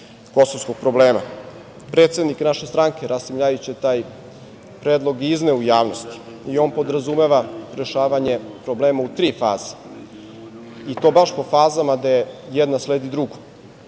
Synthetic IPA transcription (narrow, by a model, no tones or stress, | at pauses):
ko̞sovskoɡ̥̚pɾo̞bleːma̰ | pɾeːt̪sed̪niknaʃest̪ɾaŋke̞ɾasimʎaːjut͡ɕet̪aːj | pɾeːd̪lˠo̞ɡizneujaːʋnost̪i̥ | io̞ːnpo̞d̪ɾazume̞ʋaɾeʃaːʋaɲe̞pɾo̞bleːmaut̪ɾiːfaːze̥ | it̪o̞baʃpo̞faːzamad̪ajejɛd̪nasleːd̪id̪ɾuɡo